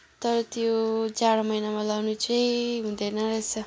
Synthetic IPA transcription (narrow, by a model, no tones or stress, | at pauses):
t̪ʌɾʌt̪jot͡saɽʌmʌjnamalʌwnut͡sʌjɦũd̪ʌjnʌɾʌjt͡sʰʌ